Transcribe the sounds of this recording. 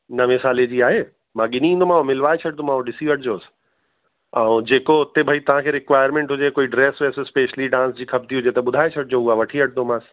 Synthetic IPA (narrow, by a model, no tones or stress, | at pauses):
nɐʋesaːled͡ʑiːaːɦeː | mãːɠɪniĩːnd̪omãːɦõmɪlʋaːet͡ɕʰɐʈ̚d̪omãːõɗɪsiʋəʈʰd͡ʑoːs | ɛ̃ũd͡ʑeːkoʊt̪ebʱɐit̪ɐʋ̤ãkʰeːɾɪkʋaːɪəɾmẽːɳʈɦʊd͡ʑekoːiɖɾeːsɦesespeːʃliɖãːnsd͡ʑiːkʰɐb̚d̪iɦʊd͡ʑet̪ɐɓʊd̪ʱaːet͡ɕʰɐʈ̚d͡ʑoʊaʋɐʈʰiʋəʈ̚ʰnomãːs